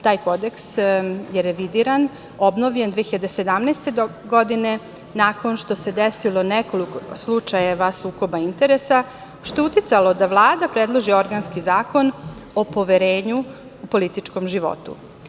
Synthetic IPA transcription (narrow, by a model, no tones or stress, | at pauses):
t̪aːjko̞d̪e̞ksjeɾeʋid̪iɾan | o̞bnoʋʎe̞nd̪ʋeːxiʎad̪ese̞d̪amnɛjst̪e̞ɡod̪ine̞ | nako̞nʃt̪o̞se̞d̪esilo̞neko̞likoslˠut͡ʃajeʋasuːko̞baint̪e̞ɾesa | ʃt̪out̪it̪salo̞d̪aʋlˠaːd̪apɾed̪lˠoʒio̞ɾɡanskizaːko̞nopo̞ʋeɾeːɲu | upo̞lit̪it͡ʃko̞mʒiʋo̞̰t̪ṵ